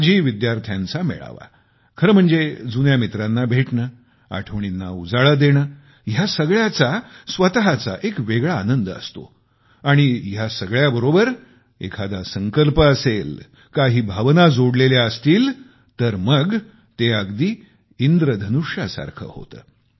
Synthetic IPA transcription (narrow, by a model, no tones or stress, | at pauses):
d͡ʑiːʋid̪jaɾt̪ʰjãnt͡samḛɭa̰ʋa̰ | kʰəɾəm̤əɳd͡zed͡zunjamit̪ɾanːabʱeʈɳə | a̰ʈʰəʋɳ̃inːaud͡zaɭəd̪eɽ̃əː | jasəɡɭjat͡sasʋət̪əɦat͡sa̰ʔekʋeɡɭaːnənd̪əə̰st̪o̰ | aɽ̃ijasəɡɭjabəɾobəɾ | ḛkʰad̪asəŋkəlpəəsel | kaɦiːbʱəʋnad͡zoɽleljaəst̪iːl | t̪əɾməɡ | t̪eəɡd̪iː | ind̪ɾəd̪ʱənuʂjasa̰ɾkʰə̰ho̰t̪ə̰ː